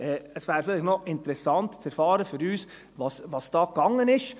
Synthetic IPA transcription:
ɛːəsʋæːɾfɪlɪxnɔʔɪntəɾɛsɑnt̪t͡sɛɾfɑːɾəfʏɾyːs | ʋɑsʋɑsd̥ɑːkɑŋːənɪʃ

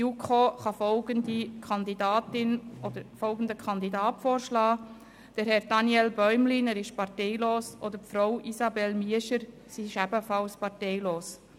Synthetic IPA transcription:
jukʰoχɑfɔlɡ̥əndikʰɑnd̪idɑːtɪnɔd̥̪əɾfɔlɡən̩dəkʰɑnd̪idɑːtfoːɾʃlɑː | d̥əɾɦɛɾdɑnjɛlbœʏmlinæːɾɪʃpɑɾtɛɪloːsʔod̪əɾpfɾoʊʔisɑbɛlmiəʃəɾ | siɪʃæb̥əfɑlspɑɾteɪloːs

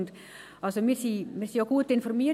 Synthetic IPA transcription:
nt̪ | ɑsomisiːmisiokuːt̪ːiinformiː

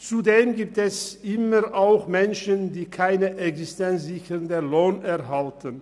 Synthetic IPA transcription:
t͡sudeːmɡiːp̚tɛsʔɪməʁʔaʊxmɛnʃəndiːkʰaɪnəʔɛksɪstɛnsz̥ɪçəʁndəloːnɛɐɦaltən

